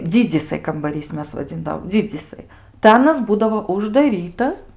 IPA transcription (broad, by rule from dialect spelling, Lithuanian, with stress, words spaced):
ˈd͡zʲɪd͡zʲiːsɐɪ kɐmbɐˈrʲiːs ˈmʲɛs ʋɐˈd͡zʲɪndɐʋoːm ˈd͡zʲɪd͡zʲiːsɐɪ tɐɪ ˈɑːnɐs ˈbuːdɐʋoː ʊʒdɐˈrʲiːtɐs